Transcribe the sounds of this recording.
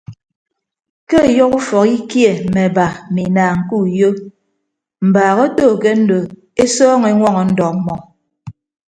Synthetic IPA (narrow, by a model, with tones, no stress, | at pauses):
kɛ˦˨jɔ˦ku˦fɔ˨ki˦kje˨mɛ˨ba˨mi˨naː˨ŋ̩˨ku˦˨jo˦ | m̩˨baː˨ɣɔ˦toː˦˨kɛ˦n̩˦do˨ | e˦sɔː˦ŋe˨˦ŋwɔ˦ŋɔ˨n̩˦dɔ˨k̚mɔ˨